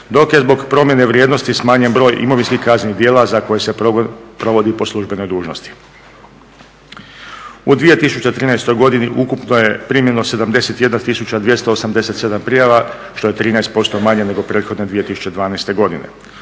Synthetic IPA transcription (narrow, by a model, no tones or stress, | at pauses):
d̪o̞kje̞zbo̞ɡpɾo̞mje̞ne̞ʋɾjeːd̪no̞st̪ismaːɲe̞nbɾo̞ːjʔḭmo̞ʋinskihkaznenid̪jeːlazako̞jese̞pɾo̞ʋo̞d̪ipo̞slˠuʒbe̞no̞jd̪uːʒno̞st̪i̥ | ud̪ʋije̞t̪isut͡ɕet̪ɾiːnajst̪o̞jɡo̞d̪iniʔukupnoje̞pɾimjenose̞d̪amd̪e̞se̞t̪je̞d̪nat̪isut͡ɕad̪ʋje̞st̪oosamd̪e̞se̞t̪se̞d̪ampɾijaʋa | ʃt̪o̞je̞t̪ɾiːnajst̪po̞st̪o̞maɲene̞ɡo̞pɾeːt̪xo̞d̪ne̞d̪ʋije̞t̪isu̥t͡ɕed̪ʋaːnajst̪e̞ɡo̞d̪ine̞̰